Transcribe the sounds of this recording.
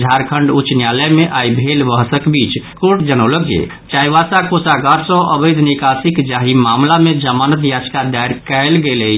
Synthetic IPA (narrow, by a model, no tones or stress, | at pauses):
d͡ʒʱaɾkʰəɳɖut͡ʃnjaləjmeʔajbʱelbəɦsəkbit͡ʃkoʈd͡ʒənəwləkḛ | t͡ʃajʋasakosaɡaɾsə̃ʔəbəjd̪ʱnikasikd͡ʒaɦimamlamed͡ʒəmanət̪jad͡ʒkad̪ajɾkɛɪlɡelɛ